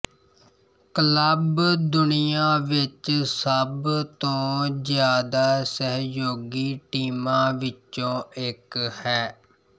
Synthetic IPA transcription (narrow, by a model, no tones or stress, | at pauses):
kələbd̪ʊnijaːʋɪt͡ʃsəbt̪õːzjaːd̪aːsəɦjoːɡiːʈiːmãːʋɪt͡ʃõːɪkhɛː